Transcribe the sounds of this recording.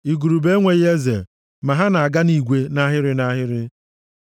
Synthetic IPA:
i˨ɡu˨ɾu˨be˦ŋʷe˨ɣe˦ze˨ | ma˨ɦa˦na˨a˨ɡa˦ni˦˨ɡʷe˦na˦ɦɪ˦ɾɪ˦na˦ɦɪ˦ɾɪ˦

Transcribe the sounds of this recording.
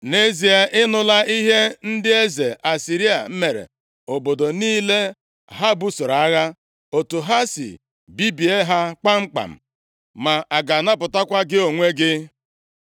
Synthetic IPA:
ne˦zi˨a˨ʔɪ˦nʊ˦la˦i˦ɦe˦n̩˦dɪ˦e˦ze˨ʔa˨si˨ɾi˦a̰˨m̩˦me˨ɾḛ˨ | o˨bo˨do˨niː˦le˦ | ɦa˦bu˦sʊ˨ɾa˨a˦ɣa˦ | o˨tu˨ɦa˦sḭ˨ | bi˦bi˨e˦ɦa˦k͡pa˦ŋ͡m̩˦k͡pa̰˨m̩˨ | ma˨a˨ɡa˨na˦pʊ˨ta˦kʷa˦ɡɪ˦o˨ŋʷe˦ɡɪ˦

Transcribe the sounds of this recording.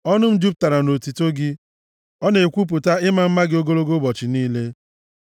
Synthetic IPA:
ɔ˦nʊ˦m̩˦du˦p̚ta˨ɾa˨no˨ti˨to˦ɡɪ˦ | ɔ˦ne˨kʷu˦p̬ʊ˨ta˦ɪ˦ma˨m̩˦ma˦ɡɪ˦o˦ɡo˦ɾo˦ɡo˦bɔ˨t͡ʃɪ˨niː˦le˦

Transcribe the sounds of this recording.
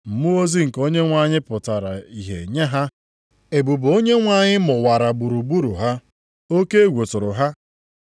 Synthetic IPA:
m̩˨mu˦o˦zi˦ŋ̩˨ko˦ɲe˦ŋʷa˦ɲɪ˦pʊ˨ta˨ɾa˨i˨ɦḛ˨ɲa˦ɦa˦ | e˨bu˨bo˦ɲe˦ŋʷa˦˨ɲɪ˦mʊ˨wa˨ɾa˨ɡ͡bu˨ɾu˨ɡ͡bu˦ɾu˨ɦa˦ | o˦ke˦e˦ɡʷo˨tʊ˨ɾʊ˨ɦa˦

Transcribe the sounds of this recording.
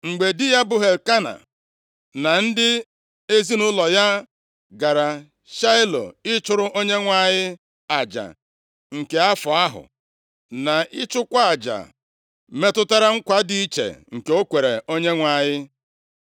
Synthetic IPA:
ŋ͡m̩˨ɡ͡be˨dɪ˦ja˦bʊ˨ɦe˨lka˦na̰˨ | na˨n̩˦dɪ˦ | e˦zi˦nʊ˦lɔ˨ja˦ | ɡa˨ɾa˨ | ʃa˦ɪ˦lo̰˨ɪ˦t͡ʃʊ˦ɾʊ˦ʔo˦ɲe˦ŋʷa˨ɲɪ˦ | a˨d͡ʒa̰˨ | ŋ̩˨ke˨a˦fʊ˨a˦ɦʊ̰˨ | na˨ʔɪ˦t͡ʃʊ˦kʷa˦a˨d͡ʒa̰˨ | me˦tʊ˦ta˦ɾa˦ŋ̩˦kʷa˦di˦i˦t͡ʃḛ˨ŋ̩˨ke˨o˦kʷe˨ɾe˨ʔo˦ɲe˦ŋʷa˨ɲɪ˦

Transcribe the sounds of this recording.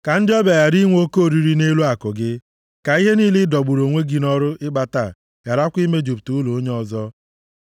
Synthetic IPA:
ka˨n̩˦dɪ˦ɔ˦ba˨ja˨ɾi˦ŋʷ˦o˦ko˦˨ɾi˨ɾi˦ne˦lu˦a˨kʊ˨ɡɪ˦ | ka˨i˦ɦe˦niː˦lɪ˦dɔ˨ɡ͡bu˨ɾo˨ŋʷe˦ɡi˨nɔ˦ɾʊ˦ɪ˦ɡ͡ba˨ta˨ | ja˨ɾa˦kʷi˦me˦d͡ʒu˨p̚tu˨˦lu˨o˦ɲe˦ɔ˨zɔ˦

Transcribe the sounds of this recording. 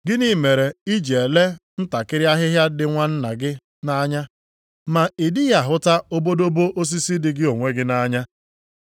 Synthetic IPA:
ɡɪ˦ni˦me˨ɾe˨i˦d͡ʒe˨e˨le˦n̩˦ta˨kɪ˦ɾja˦ɦɪ˦ɦja˦dɪ˨ŋʷa˦n̩˦na˨ɡɪ˦ | na˦ɲa˦ | ma˨i˨dɪ˦ja˨ɦʊ˦ta˦o˦bo˦do˦bo˦ʔo˦s̬i˦si˦dɪ˨ɡɪ˦o˨ŋʷe˦ɡɪ˦na˦ɲa˦

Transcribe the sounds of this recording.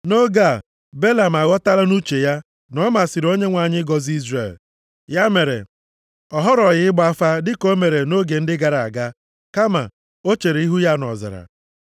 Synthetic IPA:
no˦ɡa˦˨ | be˦la˨m̩˨a˨ɣɔ˦ta˦la˦nu˦t͡ʃe˨ja˦ | nɔ˦ma˨sɪ˨ɾo˦ɲe˦ŋʷa˨ɲɪ˦ɡɔ˨zi˦zrḛ˨l | ja˦me˨ɾḛ˨ | ɔ˨ɦɔ˦ɾɔ˨ɣɪ˦ɡ͡ba˦fa˦dɪ˦ko˦me˨ɾe˨no˦ɡe˨n̩˦dɪ˦ɡa˨ɾa˨a˨ɡa˦ | ka˦ma̰˨ | o˦t͡ʃe˨ɾe˨i˦ɦu˦ja˦nɔ̰˨zɪ̰˨ɾa̰˨

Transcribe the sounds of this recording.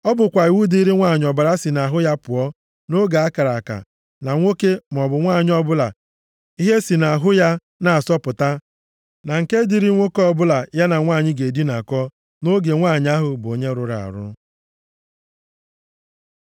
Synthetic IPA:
ɔ˦bʊ˨kʷa˨i˨wu˦di˦ɾi˦ŋʷaː˦˨ɲ˨ɔ˨ba˨ɾa˦si˨na˨ɦʊ˦ja˦pʊ˨ɔ˦ | no˦ɡa˨a˦ka˨ɾa˨ka̰˨ | na˨ŋʷo˦ke˦m̩˨ɔ˨bʊ˨ŋʷaː˦˨ɲ˦ɔ˦bʊ˦la˨ | i˦ɦe˦si˨na˨ɦʊ˦ja˦ | na˨a˨sɔ˦pʊ˨ta˦ | na˨ŋ̩˨ke˦di˦ɾi˦ŋʷo˦kɔ˦bʊ˦la˨ja˦na˨ŋʷaː˦˨ɲɪ˦ɡe˨di˦na˨kɔ˦ | no˦ɡe˨ŋʷaː˦˨ɲ˦a˦ɦʊ˨bʊ˨o˨ɲe˦ɾʊ˨ɾa̰˨a̰˨ɾʊ̰˦

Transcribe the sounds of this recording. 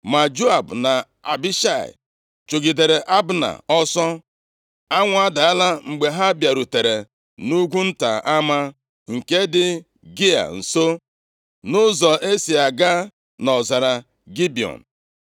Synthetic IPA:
ma˨d͡ʒo˦a˨bna˨ | a̰˨bi˦ʃa˦˨ɪ̰˨ | t͡ʃo˨ɡi˨de˨ɾe˨ʔa˦bna̰˨ɔ˦sɔ˦ | a˦ŋʷ˨˦a˦da˨a˦la˦ŋ͡m̩˨ɡ͡be˨ɦa˦bja˨ɾu˨te˨ɾe˨ | nu˦ɡʷu˦n̩˦ta̰˨ʔa˦ma˦ | ŋ̩˨ke˦dɪ˦ | ɡi˦a̰˨n̩˨so˦ | nʊ˦zɔ˨ʔe˦si˨a˨ɡa˦ | nɔ˨za˨ɾa˨ | ɡi˦bi˨ɔ̰˨n̩˨

